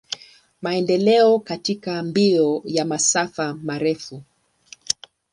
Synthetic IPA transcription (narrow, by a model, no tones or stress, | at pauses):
maɛndɛlɛɔkatikambiɔjamasafamaɾɛfu